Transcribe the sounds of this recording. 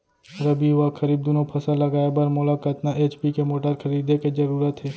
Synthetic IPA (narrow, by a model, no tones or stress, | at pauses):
ɾəbʱiɦʊʋakʰɐɾiːb̚d̪onõpʰɐsalɐɡaːebɐɾmoːlakət̪naʔeːt͡ʃpikemoːʈəɾkʰɐɾiːd̪eked͡ʒɐɾuːɾət̪ɦɛː